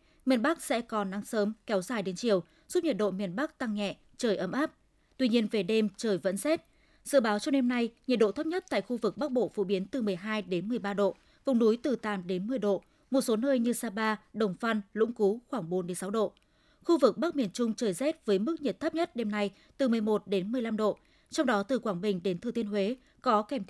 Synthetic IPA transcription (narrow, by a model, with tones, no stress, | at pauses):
mi˨˩ənɓa˦˥k̚sɛ̰˧˥kɔ˨˩nːa˨˦ŋsəː˨˦mkɛ˨˦wzaː˨˩jɗe˨˦nt͡ɕi˧˩əw | z̥u˦˥ɲi˨˩t̚ɗo̰˧˨mi˨˩ənɓa˦˥k̚t̪a˧ŋːɛ̰˧˨ | t͡ɕəː˧˩jʔə˨˦mʔaː˦˥p̚ | t̪wi˧ɲi˧ənve˨˩ɗe˧mt͡ɕəː˧˩jvə̰˧˥nzɛ˦˥t̚ | z̥ɨ̰˧˨ɓaː˨˦wt͡ɕɔ˧ɗe˧mna˧jɲi˨˩t̚ɗo̰˧˨t̪ʰə˦˥p̚ɲə˦˥t̚t̪a̰ː˧˨jxu˧vɨ˨˩k̚ɓa˦˥k̚ɓo̰˧˨fṵ˧˨ɓi˨˦ənt̪ɨ˨˩mɨ˨˩əjɦaː˧jɗe˨˦nmɨ˨˩əjɓaː˧ɗo̰˧˨ | vʊ˨˩wŋ͡mnu˨˦jt̪ɨ˨˩t̪a̰ː˨˩mɗe˨˦nmɨ˨˩əjɗo̰˧˨ | mo˨˩t̚so˨˦nəː˧jɲɨ˧saː˧ɓaː˧ɗə˨˩wŋ͡mfa˧nlṵ˧˥ŋ͡mku˨˦xwaː˧˩ŋɓo˨˦nɗe˨˦nsa˨˦wɗo̰˧˨ | xu˧vɨ˨˩k̚ɓaː˦˥k̚mi˧˩ənt͡ɕʊ˧ŋ͡mt͡ɕəː˨˩jzɛ˦˥t̚vəː˨˦jmɨ˦˥k̚ɲi˨˩t̪̚ə˦˥p̚ɲə˦˥t̚ɗe˧mna˧j | t̪ɨ˨˩mɨ˨˩əjmo˨˩t̚ɗe˨˦nmɨ˨˩əjla˧mɗo̰˧˨ | t͡ɕɔ˧wŋ͡mɗɔ˨˦t̪ɨ˨˩kwaː˧˩ŋɓï˨˩ŋ̟ɗe˨˦nt̪ɨ˨˩t̪ʰi˧ənɦwe˨˦ | kɔ˨˦kɛ˧˩mt̪